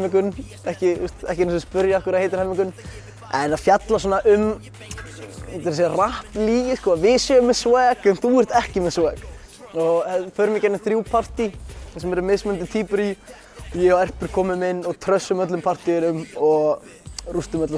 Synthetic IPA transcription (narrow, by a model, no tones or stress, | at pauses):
mɪŋkʏn | ɛhcɪust̪ɛhcɪnsspʏɾjaahkʏɾaðhejt̪ɪɾ̥hɛmːɪŋkʏn | ɛnaðfjat̪las̬ɔːnaʔʏm | ɛt̪ɪɾsɛrahpliːjɪskɔːavɪsœmɪswɛkɛnθuɛr̥t̪ɛhcɪmɪsɛk | ɔɛfœːɾmɛcanɪθɾjuːwpʰar̥t̪iɛsɛmɛɾʏmɪsmɛnt̪ɪt̪ʰiːpʏɾi | ɔjɛaɛr̥pʏɾ̥kʰɔːmɪmɪnːɔɣt̪ʰɾœsːʏmœt̪lʏmpʰar̥t̪iɪnʏmɔɣ | rust̪ʏmœt̪la